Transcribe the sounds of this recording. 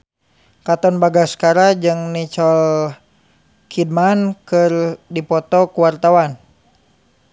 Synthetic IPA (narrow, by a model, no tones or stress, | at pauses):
kat̪ɔnbaɡaskaɾad͡ʒɨŋnit͡ʃɔl | kʰid̚mankɨrdipɔt̪ɔkuwart̪awan